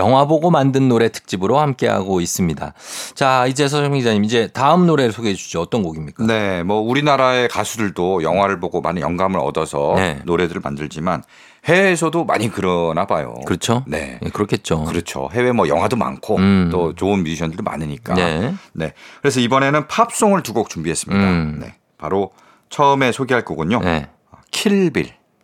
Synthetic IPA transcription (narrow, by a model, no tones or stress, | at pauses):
jʌŋɦwaboɡomandɯnːoɾe̞tʰɯ̥k̚t͡ɕ͈ibɯɾohamk͈e̞ɦa̰ɡois͈ɯmɲida̰t͡ɕaid͡ʑe̞sʰʌʌŋid͡ʑaɲimid͡ʑe̞taɯmnoɾe̞ɾɯɭsʰoɡeɦed͡ʑud͡ʑoʌt͈ʌnɡoɡimɲik͈ane̞mʌuɾinaɾae̞kasʰudɯɭdojʌŋwaɾɯɭboɡoma̰nɯjʌŋɡamɯɾʌ̰dʌsʰʌne̞noɾe̞dɯɾɯɭma̰ndɯɭd͡ʑiman | he̞ːsʰʌdoma̰ɲikɯɾʌnabajo̰kɯɾʌt͡ɕʰone̞̰kɯɾʌkʰet͡ɕ͈okɯɾʌt͡ɕʰo̰ɦe̞we̞mʌjʌ̰ŋɦwadoma̰nkʰot͈ot͡ɕoɯnmiɕʰʌndɯɭdomʔa̰nɯɲik͈a̰ene̞kɯɾe̞s̬ʰʌibʌne̞nɯnpʰap̚s͈oŋɯɭtuɡok̚t͡ɕumbiɦe̞s͈ɯmɲidane̞̰ | paɾo | t͡ɕʰʌɯme̞sʰoɡiɦaɭk͈oɡɯɲone | ʌkʰiɭbḭɭ